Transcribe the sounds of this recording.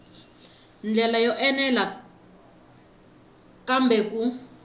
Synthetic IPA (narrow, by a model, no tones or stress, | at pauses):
nd͡ɮɛlajɔʔɛnɛla | kambɛku